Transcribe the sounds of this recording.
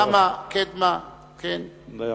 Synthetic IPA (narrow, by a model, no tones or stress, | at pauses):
amaket̪ma | kʰen